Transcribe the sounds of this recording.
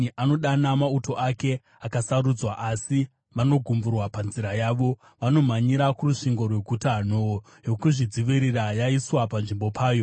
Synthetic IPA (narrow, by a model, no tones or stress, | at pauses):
ʔano̞ɗanamauto̞ʔake̞ | akasaɾud͡zwaʔasi | ʋano̞ɡʱumburwapanziɾajaːʋo̞ | ʋano̞maɲiɾakuruʂiŋɡo̞rwe̞ɡʱutano | jo̞kuʐid͡ziʋiɾirajaiswapanʐimbo̞pʰaːjo̞